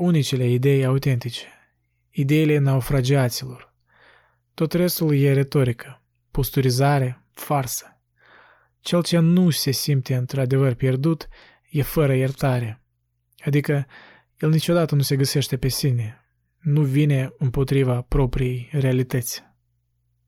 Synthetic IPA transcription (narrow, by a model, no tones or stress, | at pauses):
unit͡ʃele̞id̪e̞jaut̪e̞nt̪it͡ʃe̥ | id̪e̞ile̞noufɾad͡ʒiat̪silo̞r | t̪o̞t̪re̞st̪ulje̞ɾe̞t̪o̞ɾikʰə̥ | post̪uɾizaɾe̞ | farsə̥ | t͡ʃe̞lt͡ʃe̞nuse̞simp̚t̪e̞ɨnt̪ɾad̪e̞vərpje̞rd̪ut̪ | je̞fəɾəjert̪aɾe̞ | ad̪ikə | je̞lnit͡ʃo̞d̪at̪ənuse̞ɡəse̞ʃt̪e̞pe̞sine̞ | nuvine̞ɨmpo̞t̪ɾivapɾo̞pɾije̞jre̞alit̪ət̪sʲ